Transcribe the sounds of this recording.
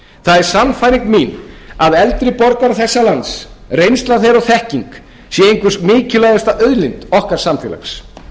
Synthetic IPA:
θaðɛɾ̥samfajɾiŋkminaðɛlt̪ɾɪpɔɾkaɾθɛsːalansrejnst̪laθɛɾɔθɛhciŋk | sjɛejŋkvʏsmɪːcʏlajðʏst̪aʔœðlɪnt̪ɔhkaɾ̥samt̪ʰɪla̰xs

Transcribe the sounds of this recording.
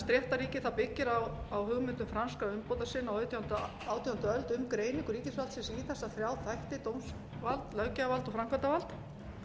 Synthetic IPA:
st̪ɾjɛht̪aɾiːcɪθawpɪcːɪɾawawɦʏɣmɪnt̪ʏmfɾanskaʏmpowt̪̬asɪnːawœt̪ʰjhant̪ | aːwt̪ʰjihant̪œlt̪ʏmkɾeːjnɪ̃ŋkʏɾiːcɪsvalt̪sɛmsiːθɛsːaθɾjaːwθajht̪ɪt̪owms | valt̪lœɣcavalt̪ɔfɾamkvant̪avalt̪

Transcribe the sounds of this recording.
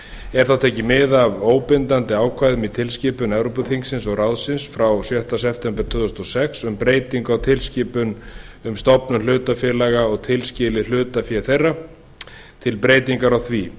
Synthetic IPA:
ɛɾ̥θawt̪ʰɛːcɪmɪðavoːwpɪnt̪ant̪ɪaːwkʰvajðʏmit̪ʰɪlscɪːpʏnɛvɾowpʏθiŋksɪnsɔɣrawðsɪnsfɾawsjœht̪asɛpt̪ʰɛmpɛɾ̥t̪ʰʏːðʏst̪ɔsɛksʏmpɾeːjt̪iŋkawt̪ʰɪlsciːpʏn | ʏmst̪ɔpnʏnl̥ʏːt̪afjɛːlaɣaɔɣt̪ʰɪlscɪːlɪl̥ʏːt̪afjɛɾθejrːa | t̪ʰɪlpɾeːjt̪iŋkaɾawθvi

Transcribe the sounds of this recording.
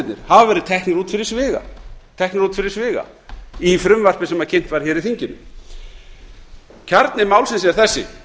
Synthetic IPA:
t̪nɪ̰ɾ̥havavɛɾɪt̪ʰɛhknʏɾuːt̪fɪɾɪ̥ɾsvɪːɣa̰t̪ʰɛhknʏɾuːt̪fɪɾɪɾ̥svɪːɣa̰ | ifɾʏmvar̥pɪsɛmaðcʰejn̥t̪vaɾ̥çɛːɾiθiɲcɪnʏ̰m | cʰaɾt̪nɪmaːwlsɪnsɛɾ̥θɛsːɪ̰

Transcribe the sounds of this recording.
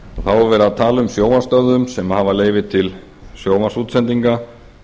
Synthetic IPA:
ɔθawɛɾvɛːɾaðt̪ʰaːlʏmsjoːwanst̪œððʏmsɛmhavaleːjvɪt̪ʰɪl | sjoːwvasuːt̪sɛnt̪iŋka

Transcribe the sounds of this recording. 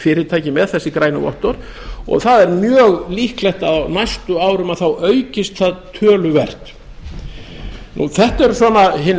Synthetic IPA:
fɪɾɪt̪ʰaːjcɪmɛðθɛsːɪkɾaːjnʏɔ̰ht̪ɔɾ | ɔ̰ɣθaðɛɾmjœːɣlihklɛht̪aðawnajst̪ʏaːwɾʏmaðθawʔœɥcɪst̪θaðt̪ʰœːlʏvɛr̥t̪ | nṵθɛht̪aɛɾsɔːnaɦɪn

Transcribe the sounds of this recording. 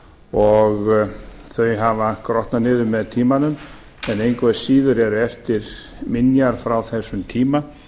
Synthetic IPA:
ɔɣ | θœɥjɦavakɾɔht̪nanɪːðʏmːɛðt̪ʰiːmanʏm | ɛnejnkvɛsiːðʏɾɛɾɛft̪ɪɾ | mɪnjaɾ̥fɾawθɛsːʏmt̪ʰiːma

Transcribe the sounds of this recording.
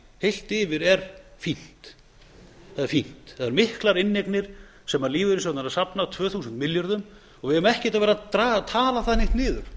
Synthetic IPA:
hejl̥t̪ɪːvɪɾɛɾ̥fin̥t̪ | θaðɪɾfin̥t̪aðɛɾmɪhklaɾɪnːeknɪɾ̥ | sɛmːaɾliːvʏɾɪsɔt̪naɾasapnat̪ʰvœːθuːsənt̪mɪljaɾðʏm | ɔɣvɪðɛmːɛhcɪt̪avɛːɾat̪ɾaːɣt̪ʰaːlaθaðnejht̪nɪːðʏɾ̥

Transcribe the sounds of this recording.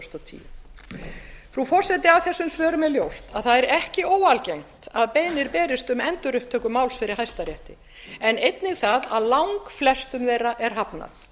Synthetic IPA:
st̪ɔt̪ʰḭːjʏ | fɾufɔɾ̥sɛt̪̬ɪawθɛsːʏmsvœːɾʏmɛðljowst̪aðθaðɛɾɛhcɪoːwalcejŋ̥t̪aðpeːjnɪɾpɛːɾɪst̪ʏmɛnt̪ʏɾʏhpt̪ʰœːkʏmawlsfɪɾɪɾ̥ɦajst̪aɾjɛht̪ɪ | ɛnejt̪nɪɣθaðaðlawŋkflɛst̪ʏmvɛːraʔɛɾ̥ɦapna̰θ

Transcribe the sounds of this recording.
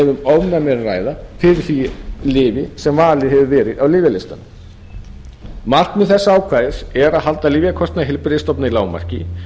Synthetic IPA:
ɛvʏmɔwnamɛɾra̰ːjðafɪɾɪɾ̥θilɪːvɪsɛmvaːlɪhɛvʏvɛːɾɪðawlɪːvɪlɪst̪an | mar̥t̪mɛðθɛsːaaːwkʰvaːðɪsɛɾaðɦal̪t̪aliːvjakʰɔst̪naɦɪlpɾɪst̪ɔpnailaːwma̰r̥cɪ

